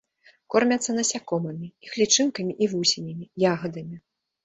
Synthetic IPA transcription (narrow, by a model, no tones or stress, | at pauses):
kɔrmʲɐt̪sːɐnɐsʲakɔmɐmʲiixlʲit͡ʂɨnkɐmʲiʔivusʲinʲɐmʲijaɣɐd̪ɐmʲi